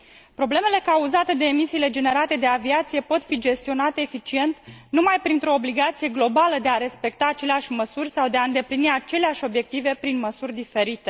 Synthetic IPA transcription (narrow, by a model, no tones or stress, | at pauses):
pɾo̞bleme̞le̞kauzat̪e̞d̪e̞ːmisiːle̞d͡ʒe̞ne̞ɾat̪e̞d̪e̞aviat̪sije̞po̞t̪fid͡ʒe̞st̪io̞nat̪eːfit͡ʃie̞nt̪numajpɾint̪ɾo̞ːbliɡat̪sije̞ɡlo̞baləd̪e̞aɾe̞spe̞kt̪aːt͡ʃe̞leaʃʲməsurʲsawd̪e̞aɨnd̪e̞pliniat͡ʃe̞leaʃʲo̞bje̞k̚t̪ive̞pɾinməsurʲd̪ife̞ɾit̪e